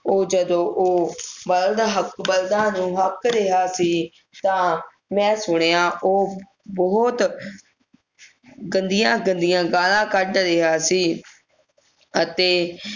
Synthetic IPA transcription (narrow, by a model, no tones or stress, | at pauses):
oːd͡ʒəd̪õːʔoːbəld̪ɦəkbəld̪ãːnũːɦəkɾeɦaːsiː | t̪ãː | mɛ̃ːsʊɽ̃eːãːʔoː | bɔɦt̪ | ɡənd̪ɪjãːɡənd̪ɪjãːɡaːlãːkəɖɾeːɦaːsiː | ət̪eː